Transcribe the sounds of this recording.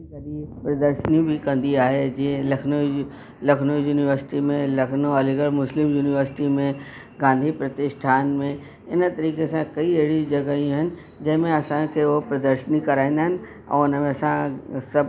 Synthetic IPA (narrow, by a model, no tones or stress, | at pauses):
tɐɾipɾɐd̪əɾʃənjĩbʱikɐ̃nd̪iaːɦed͡ʒiẽlɐkʰno | lɐkʰnojuːnɪʋəɾsɪ̥ʈimẽlɐkʰnoɐlɪɡəɭmʊslɪmjuːnɪʋəɾsɪʈimẽ | ɡãːnd̪ʱipɾɐt̪ɪʃʈʰaːnmẽ | ɪnt̪ɐɾiːkesãkɐiɐɦɪɽid͡ʒɐɡaiũɦɪnɪ̆ | d͡ʒɐ̃ɦɪ̃mẽɐsãkʰeopɾɐd̪əɾʃənikɐɾaːĩnd̪aɦɪ̃nɪ̆ | ɔ̰ːʊnmẽɐsãsɐb